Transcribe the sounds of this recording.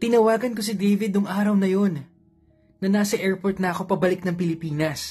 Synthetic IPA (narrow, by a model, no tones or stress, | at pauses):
t̪ɪnɐwaːɡɐnk̬os̬ɪd̪ejvɪd̪ʊŋʔaːɾɐwnɐjo̞nː | ɐnaːsɐʔɛɹpoɹt̪̚nɐʔɐko̞pɐbɐlɪk̚nɐŋpɪlɪpiːnɐs